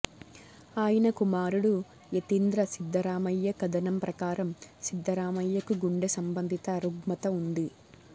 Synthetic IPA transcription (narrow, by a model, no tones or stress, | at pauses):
aːjɐnɐkumaːɾuɽu | jet̪ind̪ɾɐsid̪ʱːɐɾaːmɐjːɐkɐd̪ɐnɐmpɾɐkaːɾɐmsid̪ʱːɐɾaːmɐjːɐkuɡuɳɖesɐmbɐnd̪ʱit̪ɐːɾuɡmɐt̪ɐund̪i